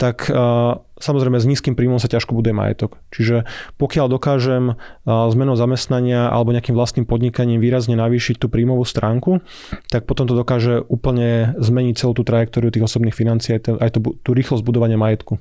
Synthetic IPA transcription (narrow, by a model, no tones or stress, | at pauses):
t̪ak | samɔzɾɛjmɛzɲiːskiːmpɾiːmɔmsacaʃkɔbud̪ujɛma̰jɛ̰t̪ɔkt͡ʃiʒɛpɔkɪald̪ɔkaːʒɛmzmɛnɔʊzamɛst̪naɲɪaʔa̰lɛbɔɲɛakimʋlast̪niːmpɔd̪ɲikaɲiːmʋiːɾazɲɛnaʋiːʃic̚t̪uːpɾiːmɔʋuːst̪ɾaːŋku | t̪ak̚pɔt̪ɔmt̪ɔd̪ɔkaːʒɛʔuːpl̩ɲɛzmɛɲic̚t͡sɛluːt̪uːt̪ɾajɛkt̪ɔːɾiut̪iːɣɔsɔbniːxfinant͡siːat̪ɛʔajt̪ɔbut̪uːɾiːxlɔzɟbud̪ɔʋaɲɪamajɛt̪ku